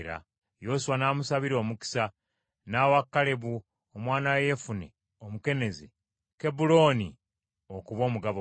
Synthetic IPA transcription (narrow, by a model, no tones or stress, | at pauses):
ɾa̰ | jo̞ːsuwanaːmusaβiɾo̞ːmuki̥sa | naːwakːale̞βu | omwaːnaweje̞funḛ | omuke̞ne̞ze | ke̞bulo̞ːni | okuβo̞ːmuɡaβo